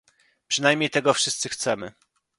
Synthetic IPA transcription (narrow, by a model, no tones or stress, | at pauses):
pʂɘnajmʲɲejt̪ɛɡɔfʂɘst̪sɘxt̪sɛmɘ̰